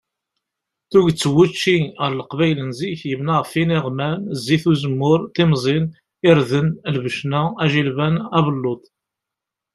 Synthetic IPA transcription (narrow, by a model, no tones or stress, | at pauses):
θuʝt͡sːəwːut͡ʃːiəɾləqvæjlənziçjəmnaʁfiniʁmænzːiθuzəmːʊɾt̪imzˤin | ɪɾðənlvəʃnææʒilvænævəlːot̪ˤ